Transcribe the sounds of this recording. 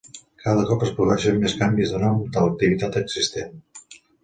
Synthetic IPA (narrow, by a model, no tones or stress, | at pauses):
kaðəkɔpəspɾuβɛʃəmmːeskambizðənɔmd̪ələk̚t̪iβit̪at̪əɡzist̪en